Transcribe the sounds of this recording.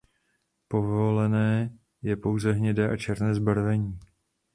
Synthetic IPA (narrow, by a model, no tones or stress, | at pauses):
po̞volɛnɛː | jɛpo̞wzɛɦɲɛdɛːʔat͡ʃɛɾnɛːzbaɾvɛɲiː